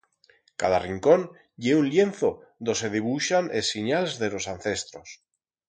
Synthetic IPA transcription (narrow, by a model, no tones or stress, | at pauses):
kaðariŋko̞n | ʎeunlje̞nθo | d̪oseð̞iβuʃanʔesːiɲalezðe̞lo̞sanθe̞st̪ɾos